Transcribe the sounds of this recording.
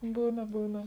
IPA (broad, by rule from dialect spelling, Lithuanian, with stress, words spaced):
ˈbuːnɐ ˈbuːnɐ